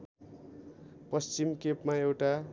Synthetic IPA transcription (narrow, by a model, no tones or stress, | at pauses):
pʌst͡ɕimkepmaewʈa